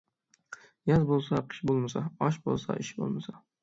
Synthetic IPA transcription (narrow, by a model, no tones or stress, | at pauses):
jazbolˠsaqʰɨ̥ʃbolˠmasaɒʃbo̰lˠsa̰ʔɪʃbo̰lˠmasa